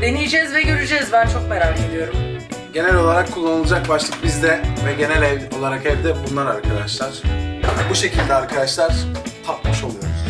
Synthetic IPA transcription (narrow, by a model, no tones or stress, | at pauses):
d̪e̞nijid͡ʒɛzvɛɟø̞ɾyd͡ʒɛzvæɾt͡ʃʰo̞k̚meɾaːcʰed̪ʲijo̞ɾumɟe̞nælʲo̞lˠaɾakʰːulˠːanɯlˠud͡ʒak̚baʃlˠɯk̚bizd̪ɛvɛɟe̞nɛlʲɛvo̞lˠaɾakɛvd̪ɛbunlˠaɾaɾkʰad̪aʃlˠaɾ̥buʃe̞cʰilʲd̪ɛaɾkʰad̪aʃlˠaɾ̥t̪ʰap̪̚mɯʃo̞lˠujɾ